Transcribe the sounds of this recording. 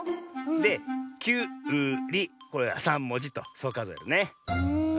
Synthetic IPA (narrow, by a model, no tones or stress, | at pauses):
d̪e̞kʲɨːɯ̟ːɾʲiko̞ɾe̞βa̰sãmːo̞d͡ʑit̪oso̞ːkazoja̰ɾɯne